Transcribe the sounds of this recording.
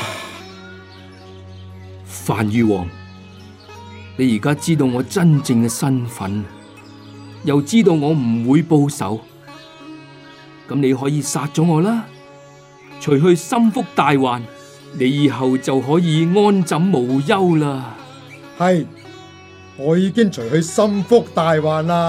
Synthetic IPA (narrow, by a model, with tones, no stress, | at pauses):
faː˨˩njyː˨wɔː˨˩ŋ | ne˨˧jiː˨˩kaː˥t͡siː˥t̪̬o˧wŋɔː˨˧t͡sɐ˥nt͡sɪ˧ŋkɛ˧sɐ˥nfɐ̰˨˥n | jɐ˨wt͡siː˥t̪o˧wŋɔː˨˧m̩˨˩wuː˨˧jpo˧wsɐ̰˨˥w | kɐ˨˥mne˨˧jɦɔː˨˥jiː˧saː˧t̚t͡ʃɔː˨˥ŋɔː˨˧laː˥ | t͡ʃʰɵ˨˩jɦɵ˧ɥsɐ˥mfʊ˥k̚t̪aː˨jwaː˨n | ne˨˧jiː˨ɦɐ˨wt͡sɐ˨wɦɔː˨˥jiː˨˧ŋɔː˥nt͡sɐ˨˥mːo˨˩wjɐ˥wlaː˧ | hɐ˨j | ŋɔː˨˧jiː˨˧kɪ˥ŋt͡ʃʰɵ˨˩jhɵ˧ɥsɐ˥mfʊ˥k̚t̪aː˨jwaː˨nlaː˧